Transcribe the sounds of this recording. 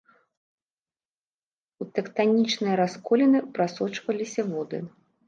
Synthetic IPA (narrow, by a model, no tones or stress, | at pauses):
ut̪ɛkt̪anʲit͡ʂnɨjɐɾaskɔlʲɛnɨpɾasɔt͡ʂvɐlʲisʲɐvɔd̪ɨ̰